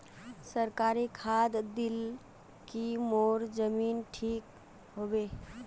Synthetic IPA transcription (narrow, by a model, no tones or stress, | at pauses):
səɾkaɾikʰad̪d̪il | kimoɾd͡ʒəminʈʰik | ɦobe